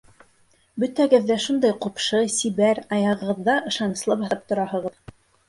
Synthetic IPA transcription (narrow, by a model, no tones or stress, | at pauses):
bɵt̪æɡɘ̆ðːæʃund̪ɑjqupʃɤsiβæɾɑjɑʁɤ̆ʁɤ̆ðːɑʔɤ̆ʃɑnɤ̆slˠɤpɑθɑp̚t̪ŏɾɑhɤ̆ʁɤð